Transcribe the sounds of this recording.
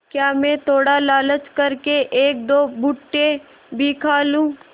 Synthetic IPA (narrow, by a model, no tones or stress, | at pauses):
kjaːmɛ̃t̪ʰoːɽalaːlət͡ʃkɐɾkeʔeːk̚d̪oːbʊʈːe | bʱikʰaːlũː